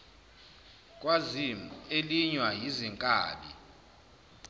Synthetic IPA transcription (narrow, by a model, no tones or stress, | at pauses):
kʼwazimeliɲwajiziŋkʼa̰ːɓi